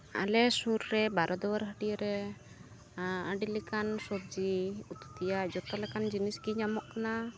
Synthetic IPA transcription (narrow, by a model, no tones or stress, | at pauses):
a̰lɛsuɾɾɛbaɾʔɔd̪ɔwəɾɦəɖiɾɛ | əɖilikansɔb̚d͡ʒiut̪u̥t̪ijad͡ʒɔt̪ɔlɛkand͡ʒinisɡiɲamɔʔkana